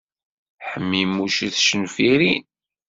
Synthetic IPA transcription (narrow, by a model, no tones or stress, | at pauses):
ħəmːimːuʃθʃənfiɾin